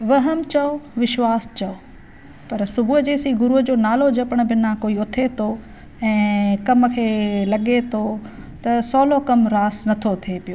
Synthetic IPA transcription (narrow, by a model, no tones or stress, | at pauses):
ʋɐɦəmt͡ɕɐoʋɪʃwaːst͡ɕɐo | pɐɾsʊbʱuɦd͡ʑeːsiɡʊɾuɦd͡ʑoːnaːlod͡ʑɐpəɽ̃̆bɪnakoːiʊt̪ʰet̪ʰo | ɛ̃ːkɐmkʰeːlɐɠet̪ʰo | t̪ɐsɔːlokɐmɾaːsnɐt̪ʰot̪ʰiepijoː